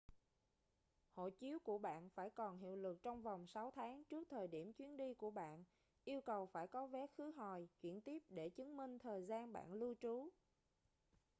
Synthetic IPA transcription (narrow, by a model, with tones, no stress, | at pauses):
ho̰˧˨t͡ɕi˨˦əwku˧˩əɓa̰ː˧˨nfaː˧˩jkɔ˨˩nɦḭ˧˨əwlɨ˨˩k̚t͡ɕɔ˧wŋ͡mva˨˩wŋ͡msa˨˦wt̪ʰaː˨˦ŋt͡ɕɨ˦˥ək̚t̪ʰəː˨˩jɗi˧˩əmt͡ɕwi˨˦ənɗi˧ku˧˩əɓa̰ː˧˨n | ʔi˧əwkə˨˩wfaː˧˩jkɔ˨˦vɛ˨˦xɨ˨˦ɦɔ˨˩jt͡ɕwi˧˩ənt̪i˦˥əp̚ɗe˧˩t͡ɕɨ˨˦nmï˧ŋ̟t̪ʰəː˨˩jzaː˧nɓa̰ː˧˨nlɨ˧ət͡ɕu˨˦